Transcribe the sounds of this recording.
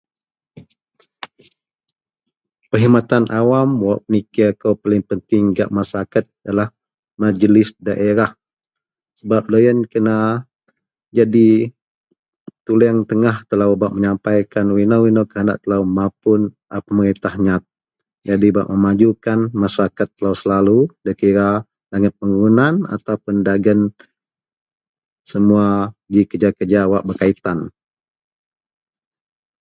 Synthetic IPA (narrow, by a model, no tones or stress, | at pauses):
pəɦimat̪anʔawamwaʔpənikakəwpalɪŋpənt̪ɪŋɡa̰ʔmasakat̪̚jalah | mad͡ʒəlɪsdaʔeɾah | səbap̚ləjənkəna | d͡ʒadi | t̪ulɛaŋt̪əŋaht̪əlawbaʔ̚məɲampajkanwinawinawkəana̰ʔt̪əlawmapʊn | apaməɾint̪ahɲat̪̚ | d͡ʒadibaʔməmad͡ʒukanmasɾakat̪ːəlawsəlaludəkiɾa | laŋət̪̚pəŋunana̰t̪awpəndaɡən | səmuaɡikəd͡ʒakəd͡ʒawaʔbərkait̪an